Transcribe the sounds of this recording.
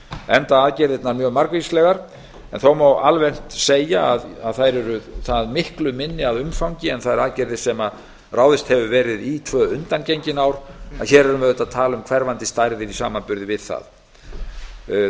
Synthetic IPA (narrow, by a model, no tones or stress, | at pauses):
ɛnt̪aaːðcɛɾðɪt̪naɾmjœɣmaɾkvislɛɣaɾ̥ | ɛnθowmawalvɛn̥t̪seːjaːðaðθajɾɛɾʏθaðmɪhklʏmɪnːɪaðʏmfawɲcɪɛnθaðɛɾaːðcɛɾðɪ̥sɛma | raːwðɪst̪hɛvʏvɛːɾɪðit̪ʰvœːʏnt̪ancejɲcɪnawɾaðçɛːɾɛɾʏmvɛðʏt̪aðt̪ʰaːlʏmkʰv̥ɛɾvant̪ɪst̪ajɾðɪɾisaːmanpʏɾðɪvɪðθa̰ð